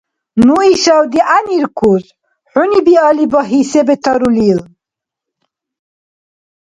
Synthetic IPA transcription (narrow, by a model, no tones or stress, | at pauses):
nuiʃawd̪iʔaniɾkʰuz | ħunibialibɔɦisɛbɛt̪ʰɑɾulil